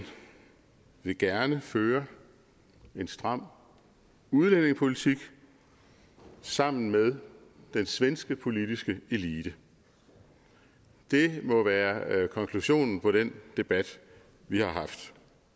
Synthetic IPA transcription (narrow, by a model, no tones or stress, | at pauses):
ʋe̝ɡ̥æɐnəføːɐ | e̝nsd̥ʁɑ̈m̰ | uðˠlene̝ŋspʰo̝lit͡sʰiɡ̥ | sɑ̈m̰n̩með̞ˠ | d̥ensʋensɡ̥əpʰo̝lid̥isɡ̥əe̝liːd̥ə | d̥e̝mɒ̽ʋæːɐkʰɒ̽ŋkʰluɕo̝̰ːnn̩pʰɒ̽ɾ̥end̥e̝b̥æd̥ | ʋihɑ̈ɦɑ̈fd̥